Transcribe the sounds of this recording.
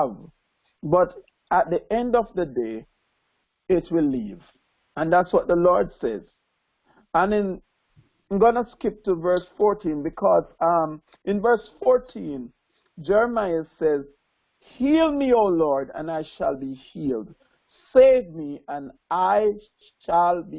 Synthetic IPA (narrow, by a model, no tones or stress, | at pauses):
v | bʌɾ | ət̪̚ðiʔɛ̃ndʌvðədeɪ | ɪt̚ʰwɪlːḭv | ə̃nðætswʌt̪̚ðəlɔɹdsɛ̰z̥ | ə̃nðɛ̃n | ɡonəskɪp̚təvɜ˞sfɔɹtʰĩnbɨkʰɔzʌm | ʔɪ̃nvɜ˞sfɔɹtʰĩn | d͡ʒɛɹəmaɪəsɛz | hilˠmiolɔɹdə̰̃naɪʃa̰lˠbihiːld | seɪvmiə̃naɪ | ʃalˠb